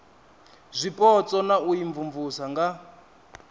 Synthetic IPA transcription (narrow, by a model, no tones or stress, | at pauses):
zʷipʼɔt͡sɔnaujiɱvuɱvusaŋɡa